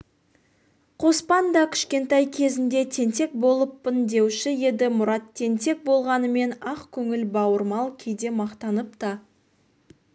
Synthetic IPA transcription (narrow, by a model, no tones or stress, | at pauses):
qʰo̞spɑnd̪ɑkʲʰɪ̥ʃkʲe̞nt̪ɑjkʲʰe̞zɪnd̪e̞t̪ʰe̞nt̪e̞k̚bo̞lˠəpːɪnd̪e̞wʃɪje̞d̪ɪmʊɾɑt̪ʰːe̞nt̪e̞k̚bo̞lˠʁɑnəme̞nɑqkʲʰɵŋɪlbɑwəɾmɑlˠkʲʰejd̪e̞mɑqt̪ɑnəpt̪ɑ